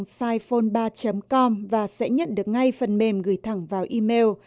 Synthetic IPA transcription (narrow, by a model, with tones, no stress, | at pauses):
saː˧jfo˧nɓaː˧t͡ɕə˨˦mkɔ˧mvaː˨˩sɛ̰˧˥ɲə̰˧˨nɗɨ˨˩ək̚ŋa˧jfə˨˩nɓe˨˩mɣɨ˧˩jt̪ʰa˧˩ŋvaː˨˩wʔi˧me˧w